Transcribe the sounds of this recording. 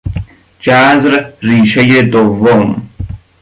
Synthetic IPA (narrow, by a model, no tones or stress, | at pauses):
t͡ʃaːzɾɾiːɕɐjed̪owom